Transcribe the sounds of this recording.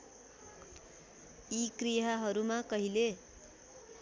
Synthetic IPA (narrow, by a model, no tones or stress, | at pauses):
ikrijaɦʌɾumakʌɦile